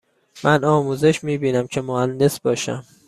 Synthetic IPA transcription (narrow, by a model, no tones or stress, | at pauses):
mʔænɒːmuːze̞ʃmiːbiːnæmcʰe̞mohænd̪e̞sb̥ɒːʃæ̰m